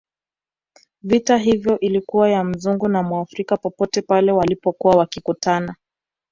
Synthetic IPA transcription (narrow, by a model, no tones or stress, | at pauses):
vitaɦivjɔʔilikuwajam̩zuŋɡunamwaafɾikapɔpɔtɛpalɛwalipɔkuwawakikutana